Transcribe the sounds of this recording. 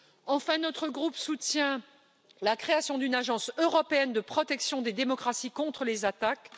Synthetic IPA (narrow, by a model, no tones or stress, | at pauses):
ɑ̃fɛ̃nɔt̪χəɡʁupsut̪jɛ̃ | lakχeasjɔ̃d̪ynaʒɑ̃søʁɔpeɛnd̪əpχɔt̪ɛksjɔ̃d̪ed̪emɔkχasikɔ̃t̪χəlezat̪ak